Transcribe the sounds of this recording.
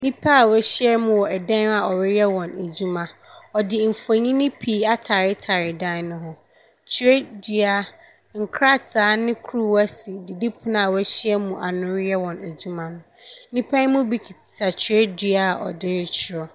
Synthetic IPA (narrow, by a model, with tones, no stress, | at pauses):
nĩ˦pʰa˦a˨wɛ˦ɕɪ˦ɛ˦mũ˦˨wɔ˨ɛ˨dã˦n˦a˨ɔ˨ɾɪ˦jɛ˦wɔ̃˨næ˨d͡ʑu˦mã˨ɔ˨dɪ˨m̩˨fo˨ɲĩ˦nɪ̃˦pʰiː˨˦a˦tʰa˨ɾɪ˦tʰa˨ɾɪ˨dã˦nʊ̃˦ɦʊ̃˦ | t͡ɕʰɾɛ˦dɥa˦ | ŋ̩˨kʰɾa˦tʰaː˨˦nɪ̃˦kʰɾu˦wa˦si˨dɪ˨di˦pʰʊ̃˦na˨wɛ˦ɕɪ˦ɛ˦mũ˨ʔa˨nʊ̃˨˦ɾjɛ˦wɔ̃˨næ˨d͡ʑu˦mã˨nʊ̃˦nĩ˦pʰã˦mũ˦bi˦˨kʰi˨tʰɪ̥˨sa˨t͡ɕʰɪ˨˦ɛ˦dɥa˦a˨ʔɔ̰˨dɪ˦ɾt͡ɕʰɪ˦˨ɾɔ˨